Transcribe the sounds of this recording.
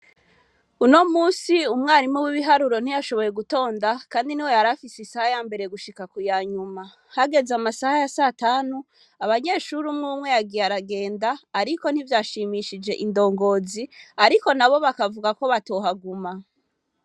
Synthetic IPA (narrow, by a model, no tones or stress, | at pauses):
uno̞muːsiumŋaːɾimuwiβiɦaɾuɾo̞n̥ijaʃo̞βo̞je̞ɡuto̞ːndakaːndiniwe̞jaɾafisisahajaːmbe̞ɾe̞ɡuʃikakujaːɲuma | haɡe̞zamasahajasaːtaːnu | aβaɲe̞ːʃuɾumŋumŋe̞jaɡijaɾaɡe̞ːndaːɾiko̞n̥hivjaːʃiːmiʃid͡ʒe̞ʔindo̞ːŋɡo̞ːziaɾiko̞naβo̞βakavuɡako̞βatoːɦaɡuma